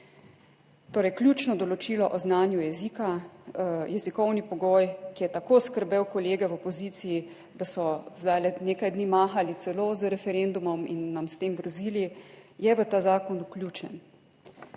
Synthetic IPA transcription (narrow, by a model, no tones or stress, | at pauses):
t̪oːɾɛjklʲjuːt͡ʃnɔd̪ɔlɔt͡ʃiːlɔʔɔznaːnjujɛziːka | jɛzikɔwnipɔɡoːjkijɛt̪akoːskəɾbewkɔleːɡɛwɔpɔziːt̪siji | d̪asɔzd̪ajlɛneːkajd̪niːmaːxalit̪sɛloːzəɾɛfɛɾend̪umɔmḭnːamst̪emɡɾɔziːlijɛʋət̪aːzaːkɔnuklʲjuːt͡ʃɛn